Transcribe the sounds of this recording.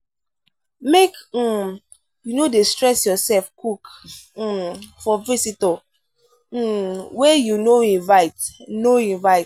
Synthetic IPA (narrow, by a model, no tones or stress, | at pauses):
mek̩ | junodestɹɛsjɔsɛlfkuk̩ | fɔvisitɔ | wejunoĩnvaɪtnoĩnvaɪt